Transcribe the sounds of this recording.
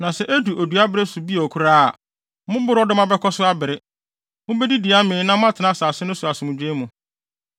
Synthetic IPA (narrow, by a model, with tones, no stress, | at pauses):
nã˨sɛ˨ʔe˦du˨ʔo˨du˨a˦bɪ˦ɾɪ˦sʊ˨bi˦˨ɔ˨kʰu˦ɾa˦a̰˨ | mʊ̃˦bʊ˦ɾɔ˦dʊ˦mã˦bɛ˦kʰɔ˦sʊ˦a˦bɪ˨ɾɪ˦ | mʊ̃˦bɛ˦di˦di˨a˦mɪ̃ː˨˦nã˦mʊ̃˦a˦tʰɪ˨nã˦˨saː˨sɪ˦nʊ̃˦su˨a˨sɪ˨mʊ̃˨d͡ʑᶣe˦mũ˨